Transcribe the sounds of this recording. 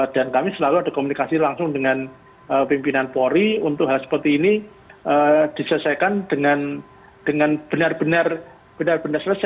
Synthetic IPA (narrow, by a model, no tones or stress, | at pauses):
d̥ankamisəlaluadakomunikasilaŋsʊŋdəŋan | əpimpinanpoɾiunt̪ʊk̚ɦalsə̥pərt̪iːni | əd̥isələsakand̥əŋan | d̥əŋanb̥ənarbənar | b̥ənarbənarsləsa